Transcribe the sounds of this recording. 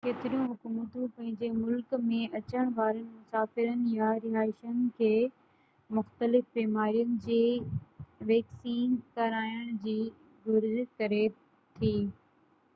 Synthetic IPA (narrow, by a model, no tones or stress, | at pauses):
keːt̪ɪɾijũɦʊkuːmət̪ũpɐ̃ɦɪ̃ɲd͡ʑemʊlkmẽɐt͡ɕəɽ̃ʋaːɾənɪ̆mʊsaːfɪɾənɪ̆jaɾɪɦaːɪʃənɪ̆kʰeː | mʊxt̪əlɪfbɛːmaːɾijənɪ̆d͡ʑeː | ʋɛːksiːnkɐɾaːjəɽ̃d͡ʑiː | ɡʊɾzɪkɐɾe | t̪ʰiː